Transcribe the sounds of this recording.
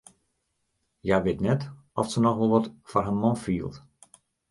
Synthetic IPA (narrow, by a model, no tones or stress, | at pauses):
jaʋɪtnɛt | ɔfsənɔxʋəlˠʋɔtfɔrɦanmɔnfiəlˠt